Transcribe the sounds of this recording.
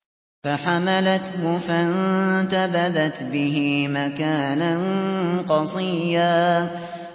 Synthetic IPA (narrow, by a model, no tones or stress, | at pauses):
faħamalat̪hʊfant̪abaðat̪bɪɦɪmakaːnanqɑsˤiːjaː